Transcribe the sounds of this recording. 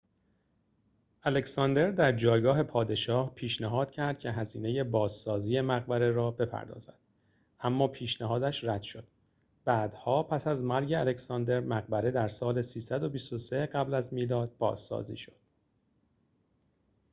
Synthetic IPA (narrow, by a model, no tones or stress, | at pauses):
ʔæle̞csɒːnd̪e̞ɾd̪æɾd͡ʒɒːjɡɒːɦe̞pʰɒːd̪e̞ʃɒːhpʰiːʃnæɦɒːd̪̥cʰæɾd̪̥cʰe̞ɦæziːne̞je̞bɒːz̥sɒːziːje̞mæɣbæɾe̞ɾɒːbe̞pʰæ̰ɾd̪ɒ̰ːzæ̰d̪̥ | ʔæmːɒːpʰiːʃnæɦɒːd̪æʃræd̪̥ʃo̞d̪̥ | bæːd̪̥hɒːpʰæsæzmæɾɟeæle̞cʰsɒnd̪e̞ɾmæɣbæɾe̞d̪æɾsɒːle̞siːsæd̪o̞bist̪o̞seɢæblæzmiːlɒːd̪̥̚bɒ̰ːz̥sɒ̰ːzḭːʃo̞̥d̪̥